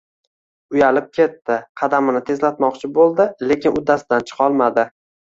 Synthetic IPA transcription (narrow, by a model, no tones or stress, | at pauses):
ʊjalɪp̚kʲʰe̞t̪ːɪqʰɑd̪amɪnɪt̪ʰe̞zlat̪mɒqt͡ʃʰɪbolˠd̪ɪle̞kʲɪnʊd̪asd̪ant͡ʃʰɨ̥qʰɒlˠmad̪ɪ